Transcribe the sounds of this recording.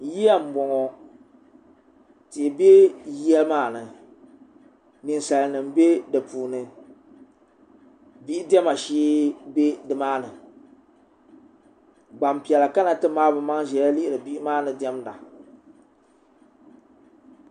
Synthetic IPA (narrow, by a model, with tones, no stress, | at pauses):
ji˦a˦m̩˨bɔ˨ŋɔ˨ | ti˨be˦jɛ˦lɨ˦maː˦˨nɨ˨ | nɨ˨n˦sa˨lnɨ˨m̩˨be˦dɨ˨puː˨nɨ˨ | bi˦ʔi˦dɛ˦ma˨ʃiː˦be˦dɨ˨maː˦nɨ˨ | ɡ͡ba˨mpi˨ɛ˨la˨ka˦na˨tɨ˦maː˦bɨ˨ma˦ŋʒɛ˨ja˦li˦ʔɪ˦ɾɨ˨bi˦ʔɪ˦maː˦nɨ˨dɛ˦mda˨